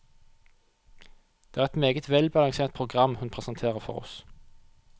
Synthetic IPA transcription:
d̪̥eːæːʁɛt̪meːɡət̪ʋɛlbɑlɑŋseːʁt̪̚pʰʁʊɡʁɑmhʉnpʰʁɛsɑnt̪ʰeːʁəfɔ̰ʁɔ̰s

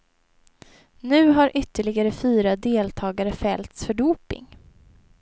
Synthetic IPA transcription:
nʉ̟ːɦaɾʔʏt̪ːəɭɪɡaɾəfyːɾad̪eːlt̪ʰɑːɡaɾəfɛlt̪sfœɖuːpɪ̰ŋ

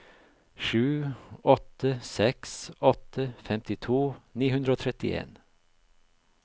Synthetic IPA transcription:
ʃʉːɔt̪əsɛksɔt̪ʰəfɛmt̪ɪt̪ʰuːniːhʉnd̪ɾəoːt̪ʰɾɛt̪ɪḛːn

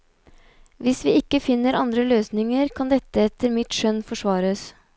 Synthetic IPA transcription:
ʋɪsʋiːɪkːəfɪnːəɾʔɑnd̪ɾəløːsnɪŋəɾkʰɑnd̪ɛt̪ːəɛt̪ːəɾmɪt̪ʃœnfɔʂʋɑːɾəs

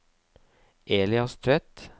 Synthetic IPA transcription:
ʔeːlɪɑst̪ʰœt̪

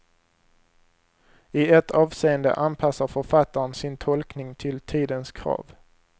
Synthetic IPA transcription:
ɪɛt̪ɑːvseːənd̪ə̰ʔanpʰasaɾfœɾfat̪ːaɾənsɪnt̪ʰɔlknɪŋt̪ʰɪlt̪ʰiːd̪ənskʰɾɑ̰ːv

